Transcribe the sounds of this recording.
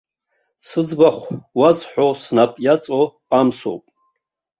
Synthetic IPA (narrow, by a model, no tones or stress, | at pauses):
sɨd͡zbaχʷwazħʷᶣosnapʼjat͡sʼoqamso̰wpʼ